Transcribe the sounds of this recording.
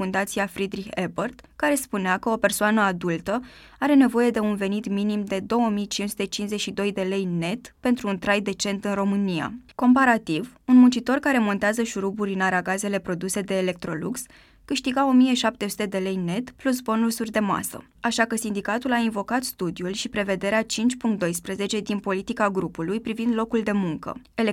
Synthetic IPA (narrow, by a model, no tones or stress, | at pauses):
und̪at̪siafɾid̪ɾiçebərt̪kaɾe̞spuneakəo̞pe̞rsoanəad̪ult̪ə | aɾe̞ne̞vo̞je̞d̪e̞unve̞nit̪minimd̪e̞d̪o̞wəmijt͡ʃinsu̥t̪e̞t͡ʃinszet͡ʃʃid̪o̞jd̪e̞le̞jne̞t̪pe̞nt̪ɾuːnt̪ɾajd̪e̞t͡ʃe̞nt̪ɨnro̞mɨnija̰ko̞mpaɾat̪ivunmunt͡ʃit̪o̞rkaɾe̞mo̞nt̪eazəʃuɾubuɾʲɨnaɾaɡaze̞le̞pɾo̞d̪use̞d̪e̞ːle̞k̚t̪ɾo̞luks | kɨʃt̪iɡao̞mije̞ʃap̚t̪e̞su̥t̪e̞d̪e̞le̞jne̞t̪plus̬bo̞nusurʲd̪e̞ma̰sə̰ | aʃakəsind̪ikat̪ulainvo̞kat̪st̪ud̪iulʃipɾe̞ve̞d̪e̞ɾeat͡ʃint͡ʃʲpuŋkt̪d̪o̞jspɾeze̞t͡ʃe̞d̪inpo̞lit̪ikaɡɾupulujpɾivind̪lo̞kuld̪e̞muŋkə̰e